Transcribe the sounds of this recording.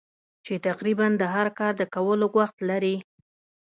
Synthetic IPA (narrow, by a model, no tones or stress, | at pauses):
t͡ʃet̪aqɾiband̪əɦaɾkɑɾd̪əkawəloɡwaxt̪laɾi